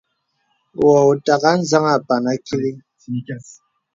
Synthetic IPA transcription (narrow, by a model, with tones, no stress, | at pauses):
wɔ˨u˨ta˨ka˦n̩˦za˦ŋa˨pa˨na˦ki˦li˦